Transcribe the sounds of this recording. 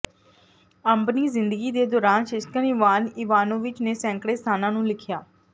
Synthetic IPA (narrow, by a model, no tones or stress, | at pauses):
əmbniːzɪnd̪əɡiːd̪eːd̪ɔːɾaːnʃɪskənɪʋaːniːʋaːnõːʋɪt͡ʃneːsɛ̃ːŋkɽeːst̪ʰaːnãːnũːlɪkʰjaː